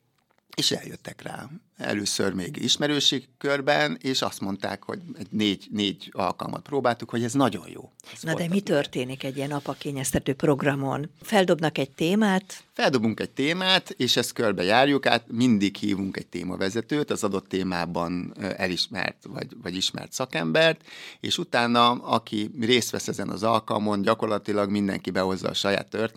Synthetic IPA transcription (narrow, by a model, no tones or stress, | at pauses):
eːʃɛ̰ljøt̪ːɛkra̰ː | ɛ̰løːsø̰rmeːɡḭʃmɛɾøːʃikːørbɛneːʃɒst̪mo̞nt̪a̰ːkho̞̰ɟɛɟneːɟneːɟɒ̰lkɒ̰lmʔɒ̰t̪̚proːbaːlt̪ukho̞ɟɛznɒɟo̞̰jjo̰ːznɒd̪ɛmit̪ørt̪eːnikɛɟːiɛnɒpɒkeːɲɛst̪ɛt̪øːpro̞ɡrɒmo̞̰nfɛld̪o̞bnɒkɛɟ̚t̪eːmaːt̪fɛld̪o̞buŋkɛɟ̚t̪eːmaːt̪eːʃɛst̪̚kørbɛjaːrjuka̰ːt̪mind̪ikhḭːvuŋkɛc̚t̪ḛːmɒ̰vɛzɛt̪øːt̪ɒzɒd̪o̞t̪ːeːmaːbɒnɛliʃmɛ̰rt̪vɒ̰ɟvɒɟiʃmɛ̰rt̪sɒkɛmbɛrt̪eːʃut̪aːnːɒɒkʰireːst̪ʋɛsɛzɛnɒ̰zɒlkɒ̰lmo̞nɟɒko̞rlɒt̪ilɒɡmind̪ɛ̰ŋkibɛɦo̞zːɒ̰ːʃɒja̰ːt̪ːør